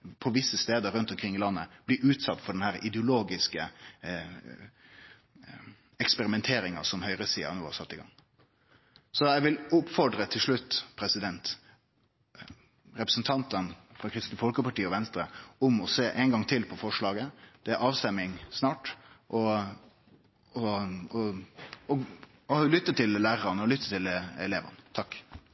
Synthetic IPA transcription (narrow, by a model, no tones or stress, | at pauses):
pʰɔʋɪsːəst̪eːd̪əɾʉnt̪ɔmkʰɾɪŋːɪlɑnːəb̥liʔʉːt̪sɑt̪ːfɔɖɛnhæːɾʔɪd̪ɛʊloːɡɪskə | ɛkspɛɾɪmɛnt̪ʰeːɾɪŋɑ̰sɔmhœʏɾəsiːɑ̰nuːhɑsɑt̪ːɪɡɑ̰ŋː | sɔɛʋɪlʊpːfɔɖɾət̪ʰɪlʂɭʉt̪ːpʰɾɛsɪd̪ɛnt̪ | ɾɛpɾəsn̩t̪ʰɑnt̪ənfɾɑːkʰɾɪst̪nəfɔlkəpɑʈiːəɔʋɛnst̪ɾəʊmɔseːʔɛɪŋɡɑŋt̪ʰɪlpʰɔfɔʂɭɑːɡəd̪̥ɛæɾʔɑːʋst̪ɛmːɪŋsnɑːʈʔɔ | ɔɔɔ | ɔlʏt̪ːət̪ʰɪllæːɾɾɑnəɔlʏt̪ːət̪ʰɪlɛleːʋə̰nət̪ʰɑkː